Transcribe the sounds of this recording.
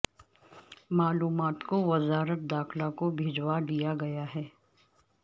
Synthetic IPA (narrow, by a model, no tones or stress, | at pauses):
maːluːmaːt̪koʋɐzaːɾət̪̚d̪aːxlakobʱeːd͡ʒwad̪ijaɡɐjaɦɛː